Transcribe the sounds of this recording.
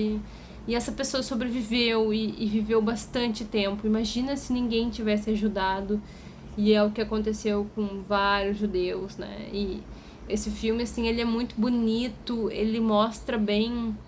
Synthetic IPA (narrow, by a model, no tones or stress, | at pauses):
ɪ | ɪɛsɐpesoɐsobɾevivewɪɪvivewbast̪ɐ̃nt͡ʃɪt̪ẽmpʊimaʒĩnɐsɪnĩŋɡẽj̃t͡ʃivɛsɪaʒud̪ad̪ʊ | ɪɛʊkɪakõnt̪esewkõvaɾjʊzʒud̪ewsnɛ̰ɪ | esɪfiwmɪasĩelɪɛmũj̃t̪ʊbunit̪ʊḛlɪmɔst̪ɾɐbẽj̃